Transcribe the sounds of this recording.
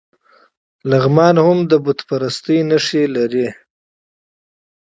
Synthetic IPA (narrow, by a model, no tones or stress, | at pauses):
laɣmɑnhʊmd̪əbʊt̪paɾast̪əjnaʂilaɾi